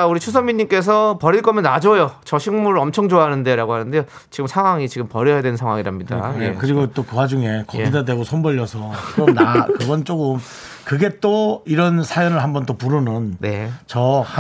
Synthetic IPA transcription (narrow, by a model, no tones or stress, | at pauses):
auɾit͡ɕʰus̬ʰʌmiɲːimk͈e̞s̬ʰʌpʌɾiɭk͈ʌmjʌnːad͡ʑʌjot͡ɕʌɕʰiŋmuɾɯɾʌmt͡ɕʰʌŋd͡ʑoaɦanɯnde̞ɾaɡohanɯndejo | t͡ɕiɡɯmsʰaŋɦwaŋit͡ɕiɡɯmpʌɾjʌjadwe̞nsʰaŋwaŋiɾɦamɲida̰jekɯɾiɡot͈okɯwad͡ʑuŋe̞kʌɡidadwe̞ɡosʰonbʌʎːʌsʰʌɯɾʌnakɯɡʌnt͡ɕ͈okɯm | kɯɡe̞t͈oiɾʌnsʰajʌnɯɭhambʌnt͈opuɾunɯnne̞̰t͡ɕʌh